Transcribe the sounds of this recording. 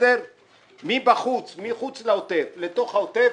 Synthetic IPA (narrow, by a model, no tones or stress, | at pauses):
eɾ | mibaχut͡smiχut͡slaot̪evle̞t̪o̞χaot̪e